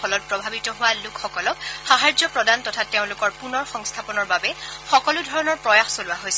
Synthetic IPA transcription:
ɔlɔt̚pɹɔbʱabitɔɦʊwalʊkxɔkɔlɔkxaɦaɹzɔpɹɔdantɔtʰateʊ̃lʊkɔɹpunɔɹxɔŋstʰapɔnɔɹbabɛxɔkɔlʊdʱɔɹɔnɔɹpɹɔjaxsolʊwaɦojsɛ

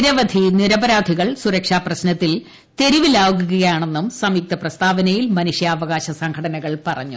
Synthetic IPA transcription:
ɾɐʋɐd̪ʱiniɾɐbɐɾaːd̪ʱiɣɐɭsuɾɐkʂaːprɐɕnɐt̪ːil | t̪e̞ɾiʋilaːɣuɣɐɣɐjaːɳe̞nːumsɐmiːk̚t̪ɐprɐst̪aːbɐnɐjilmɐnuʂjɐːʋɐɣaːɕɐsɐŋkʰɐɽɐnɐɣɐɭpɐrɐ̰ɲːu

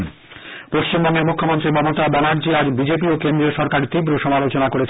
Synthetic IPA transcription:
poʃt͡ɕimbɔŋːemukʰːomont̪ɾimɔmot̪abɛnaɾd͡ʑiad͡ʑbid͡ʑepiokend̪ɾeʃɔɾkaɾt̪ibɾoʃɔmalot͡ɕonakoɾet͡ɕʰ

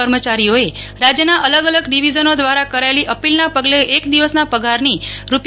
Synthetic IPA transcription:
əɾmət͡ʃaɾijoe | ɾad͡ʒjənaʔələɡələɡɖiʋid͡ʒənod̪ʋaɾakəɾaeliʔəpilnapəɡleʔːkd̪iʋəsnapəɡaɾniɾup

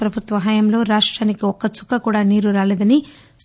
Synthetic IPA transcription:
pɾɐbʱut̪ʋɐɦɐːjɐmlo̞ːɾaːʂʈɾaːnikiɔkːɐt͡ʃu̥kːɐkuːɽaːniːɾuɾaːleːd̪ɐni | s

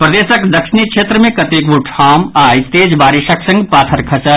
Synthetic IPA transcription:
pɾɐd̪eːʃəkd̪ɐkʃɪnikʃʰeːt̪ɾəmẽkɐt̪eːkʋuʈʰhaːmaːjst̪eːd͡ʒbaːɾɪʃəksɐ̃ŋɡpaːt̪ʰəɾkʰɐt͡ʃə

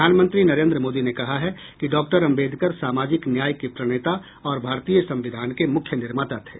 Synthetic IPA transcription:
aːnmə̃nt̪ɾinɐɾẽnd̪ɾəmoːd̪inekɐɦaɦɛkiɖɔːk̚ʈəɾɐ̃mbeːd̪ʱkəɾsaːmaːd͡ʒɪknjaːjkipɾɐɽ̃eːt̪a | ɔːɾbʱaːɾt̪iːjəsɐ̃mʋɪd̪ʱaːnkemʊkʰjənɪɾmaːt̪at̪ɦɛː

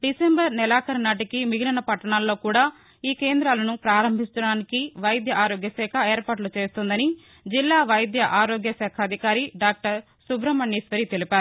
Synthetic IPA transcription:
ɖisembɐɾnɛlaːkʰɐɾnaːʈikimiɡilɐnɐpɐʈːɐɳaːlːo̞ːkuːɽaː | iːkeːnd̪ɾaːlɐnupɾaːɾɐmbʱist͡ʃ̪ɐɽaːnikiʋɐjd̪ʱjɐʔaːɾoːɡjɐsɛːkʰɐeːɾpaːʈ̬lut͡ʃe̞ːst̪und̪ɐni | d͡ʒilːaːʋɐjd̪jɐʔaːɾoːɡjɐsɛːkʰɐːd̪ʱikaːɾiɖaːk̚ʈɐɾ | subɾɐmɐɳːiːsʋɐɾit̪elipaːɾu

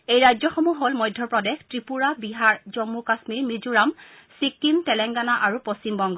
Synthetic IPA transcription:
ejɹajzɔxɔmuɦolmɔjdʱːɔpɹɔdɛxtɹipuɹabiɦaɹzɔmːukasmiɹmizuɹam | sikːimtɛlɛŋɡanaʔaɹupost͡ɕimbɔŋɡɔ

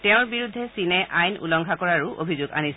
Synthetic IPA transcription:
tɛʊ̃ɹbiɹud̪ʱːɛsinɛʔajnṵlɔŋkakɔɹaɹʊʔo̰bʱizʊɡa̰nis

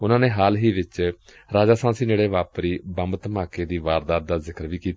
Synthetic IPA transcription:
ʊnãːneːɦaːlɦiːʋɪt͡ʃ | ɾaːd͡ʒaːsãːsiːd͡ʒeːɽeːʋaːpɾiːbəmbt̪əmaːkeːd̪iːʋaːɾd̪aːt̪̚d̪aːzɪkəɾʋiːkiːt̪

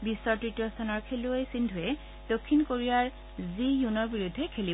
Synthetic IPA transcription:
bisːɔɹtɹitɹɔst̪ʰanɔɹkʰeluojsindʱujɛ | d̥okʰːinkoɹijaɹ | zijunɔɹbiɹudʱːɛkʰeli

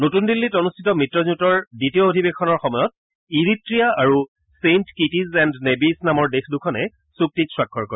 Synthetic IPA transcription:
notundilːitonustʰitɔmitɹɔzutɔɹditijɔodʱibexʰɔnɔɹxɔmɔjɔt̚ | iɹitɹijaaɹu | sentkitizɛndnebisnamɔɹdexdukʰɔnɛ̰ | suk̚titswakʰːɔɹkɔɹ

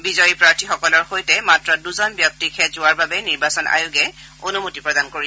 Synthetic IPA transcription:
bizɔjipɹaɹtʰixɔkɔlɔɹxojtɛmatɹɔduzɔnbjɔp̚tikʰɛzʊwaɹbabɛniɹbasɔna̰jʊɡɛ | onumutipɹɔdankoɹi

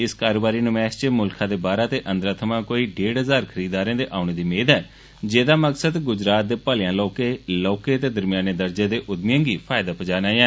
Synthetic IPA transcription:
ɪskaːɾoːbaːɾiːnʊmɛːst͡ʃmʊlkʰãːd̪eːbaːɾaːt̪eːʔənd̪ɾaːt̪ʰəmãːkoːiːɖeːɖɦəzaːɾkʰəɾiːd̪aːɾẽːd̪eːʔaːʊɽ̃eːd̪iːmeːd̪ɛː | d͡ʒeːd̪aːməksəd̪ɡʊd͡ʒɾaːt̪̚d̪eːpaːlɪjãːlɔːkeːlɔːkeːət̪eːd̪əɾmɪjaːneːd̪əɾd͡ʒeːd̪eːʔʊd̪mɪjãːɡiːpʰaːɪd̪aːpəd͡ʒaːnaːãː

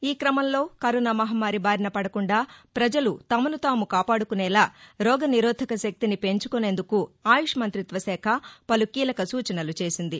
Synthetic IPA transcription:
iːkɾɐmɐmlo̞ːkɐɾunaːmɐɦɐmaːɾibaːɾnɐpɐɽɐkuɳɖaːpɾɐd͡ʒɐlut̪ɐmɐnut̪aːmukaːpaːɽukunɛːlaːɾɔːɡɐniɾoːd̪ʱɐkɐʃɐk̚t̪inipe̞ɲt͡ʃu̥kune̞nd̪ukuaːjuʂɐmɐnt̪ɾit̪ʋɐsɛːkʰɐpɐlukiːlɐkɐsuːt͡ʃɐnɐlut͡ʃe̞ːsind̪i

